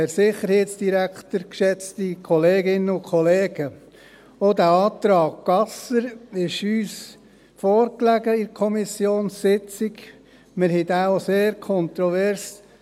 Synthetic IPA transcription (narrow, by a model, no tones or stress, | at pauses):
æɾsɪχəɾheːtsd̥iɾæktəɾkʃɛt͡stikʰɔleːɡɪnəʊkʰɔleːɡ̥ə | odæːɑːt̪ɾɑːk̚ɡ̥ɑsəɾɪʃyːs | fɔːɾklæɡəɪɾkʰɔmisjoːnsːɪt͡siɡ | mɪɾhɛdæoseːɾkʰɔnt̪ɾɔvɛɾs